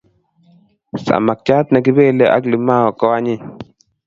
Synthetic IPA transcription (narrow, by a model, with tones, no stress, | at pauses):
sa̰˨ma˨k̚t͡ʃa˦t̪na˨ɡɪ˦be˦˨lɛ˨ʔa̰˦ɡli˨ma˦ɔ˨kɔ˦a˦ɲɪ˦